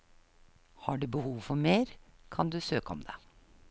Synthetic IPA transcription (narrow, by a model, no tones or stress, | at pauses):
hɑːɖʉːbəhuːʋfɔɾmeːɾkʰɑnd̪ʉːsøːkəɔ̰md̪eː